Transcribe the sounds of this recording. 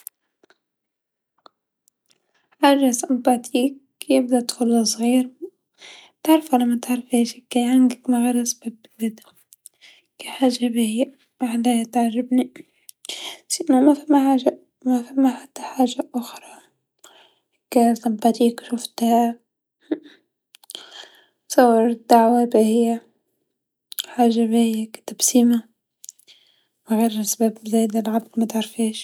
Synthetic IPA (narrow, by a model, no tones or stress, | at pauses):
ʕarːasambat̪ʰiːk | jɪb̚d̪at̪xʊlːasˤɣiːɾ | t̪aʕɾˤfalamːat̪ɪʕɾˤfeːʃikːajʕanɡ̪ɪkmaɣaɾasbab | bɪd̪a | kiħaːʒabijː | ʔaʕlajat̪ʕarːɪbni | siʔnamafamːaħaːʒa | mafamːaħat̪ːḁħaːʒaʔʊxɾˤɑ | kasˤɑbat̪iːkʃʊft̪ha | sawːɑɾd̪̥ːaʕwabihɪjːa | ħaːʒːabihɪjːakt̪absiːma | wɣeːɾʔasbæːbbzeːd̪alʕablmat̪ʕɑɾˤfiːʃ